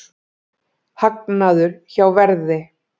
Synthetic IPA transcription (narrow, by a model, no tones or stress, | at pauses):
hak̚naðʏɾ̥çawvɛɾðɪ